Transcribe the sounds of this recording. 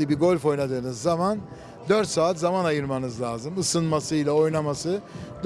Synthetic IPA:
ɯbiɡo̞lʲfo̞jnad̪ɯːnɯzːaman | d̪øɾt̪saːt̪zamanajɯɾmanɯzlʲaːzɯmɯsɯnmasɯilʲˠao̞jnamasɯd̪

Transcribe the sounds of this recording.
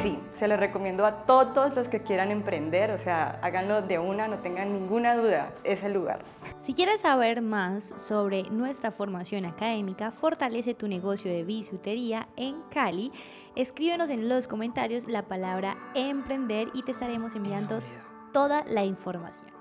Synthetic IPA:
si | se̞lereko̞mje̞nd̪oat̪oðozlo̞ske̞kje̞ɾanempɾe̞nd̪e̞ɾose̞a̰a̰ɣanlo̞ðe̞unano̞t̪e̞ŋɡanːĩŋɡunaðuðae̞se̞luɣa̰ɾ | sikje̞ɾesːaβe̞ɾmasːo̞βɾe̞nwe̞st̪ɾafo̞ɾmasjo̞nakaðe̞mikafo̞ɾt̪ale̞s̬e̞t̪une̞ɣo̞sjo̞ðeβisut̪eɾiae̞ŋkali | eskɾiβeno̞s̬e̞nlo̞sko̞mẽnt̪aɾjo̞zlapalaβɾaempɾe̞nd̪e̞ɾit̪eːst̪aɾe̞mo̞se̞mbiand̪o̞ | t̪o̞ðalaiɱfo̞ɾma̰sjo̰nn

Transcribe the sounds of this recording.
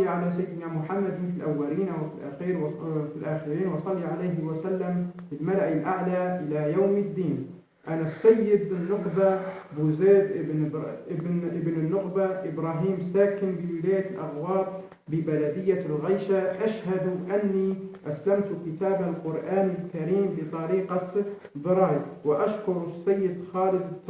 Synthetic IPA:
iʕalasajːɪd̪namʊħamːad̪fɪlʔawːaliːnʔawfilʔa̰ːxiːɾwfilʔaːxɪɾiːnwsˤɑlːiʕalajɦɪwasalːamfɪlmalaʔɪlʔaʕlaʔɪlajawmɪd̪ːiːn | ʔanasːajːɪd̪ɪnːʊqbabuːzeːd̪ʔɪbnʔɪbʔɪbnɪnːʊqbaʔɪbɾaːɦiːmsaːkɪmbɪwɪlaːjalʔa̰ɣwaːb̚ː | ɪbalad̪ɪjːalɣajʃaʔaʃhad̪ʔanːiʔaslamt̪kɪt̪aːbalqʊɾʔaːnɪlkaɾiːmbɪt̪ˤɑɾiːqɑ | ðˤɑɾˤɑːjwɪʔaʃkʊɾsːajːɪd̪xɑːlɪd̪ˤ

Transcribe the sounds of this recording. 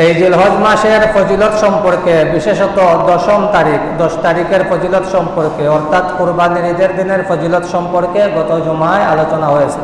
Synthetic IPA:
ejd͡ʑilɦod͡ʑmaʃeɾfod͡ʑilot̪ʃɔmpoɾkebiʃeʃot̪od̪ɔʃomt̪aɾikd̪ɔʃt̪aɾikeɾfod͡ʑilot̪ʃɔmpoɾkeɔɾt̪ʰat̪puɾbaniɾid͡ʑ̪eɾd̪ineɾfod͡ʑilot̪ʃɔmpoɾkeɡɔt̪od͡ʑomaealot͡ɕonaɦojet͡ɕʰe

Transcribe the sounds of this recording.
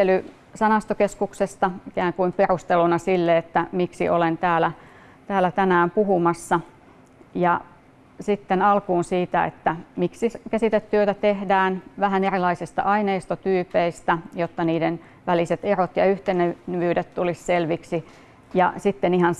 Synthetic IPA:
ely | sɑnɑst̪okeskuksest̪ɑikæːŋkuimperust̪elunɑsilːeet̪ːæmiksḭʔolent̪æːlæ | t̪æːlˑæt̪ænæːmpuɦumɑsːɑ | jɑ | sit̪ːenɑlkuːnsiːt̪æḛt̪ːæmiksikæsit̪et̪tyøt̪æt̪ehdæːnʋæɦænerilɑisist̪ɑ̰ʔɑineːst̪ot̪yːpeist̪æjot̪ːɑniːden | ʋæliset̪erot̪jɑyht̪enenʋyːdet̪t̪ulisselʋiksi | jɑ̰sit̪ːenihɑn

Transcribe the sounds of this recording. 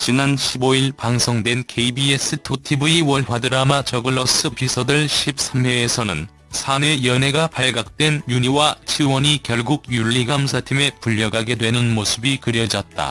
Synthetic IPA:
t͡ɕinanɕʰiboiɭpaŋsʰʌŋdwe̞nkʰeibies͈ɯtʰotʰibuiwʌɭɸwadɯɾamat͡ɕʌɡɯɭːʌs͈ɯpisʰʌdɯɭɕʰip̚s͈ʰamweːsʰʌnɯn | sʰanejʌne̞ɡapaɭɡak̚t͈we̞njuɲiwat͡ɕʰiwʌɲikjʌɭɡuɡjuʎːiɡams̬ʰatʰime̞puʎːʌɡaɡe̞dwe̞nɯnmosʰɯbikɯɾjʌd͡ʑʌt̚t͈a̰

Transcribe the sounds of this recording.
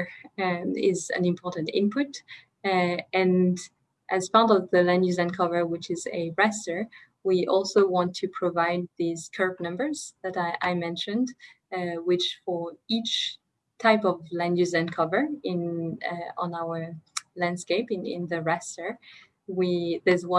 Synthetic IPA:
ɪzɨ̰̃nɨ̃mpʰɔɹʔn̩tɪ̰̃mpʰʊt | ɨ̃n | ʔɨz̥pʰɑɹɾʌvðɨlæ̃ndʉzɨ̃nkʰʌvə˞wɪt͡ʃɪzɨɹɛstə˞ | wiʔɔlˠsoʊwɑ̃ntʰɨpʰɹ̥əvaɪd̪̚ðiz̥kʰɜ˞b̚nʌ̃mbə˞z̥ðɨɾaʔaɪmɛ̃nʃɨ̃nd | wɪt͡ʃfə˞it͡ʃ | tʰaɪpʌvlæ̃ndjʉzæ̃nkʰʌvə˞ɪ̃n | ə̃naʊə˞læ̃nd̥skeɪpɨ̃nɪ̰̃nðɨɹɛstə˞ | wiðə˞zwʌ̃

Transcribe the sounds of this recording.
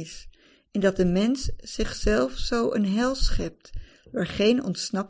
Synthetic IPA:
ɪs | ɛndɑt̚dəmɛnsːɪχsɛlˠfsowʔə̰nɦɛlˠsχɛp̚t | ʋaːɹχejnɔ̰ntsnɑp

